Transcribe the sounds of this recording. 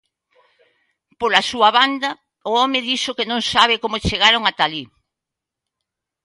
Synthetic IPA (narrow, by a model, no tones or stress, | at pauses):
polasuɐβand̪ɐ | ʊɔmɪðiʃʊkenõŋsaβ̞ɪkomʊt͡ʃeɣaɾʊŋat̪ali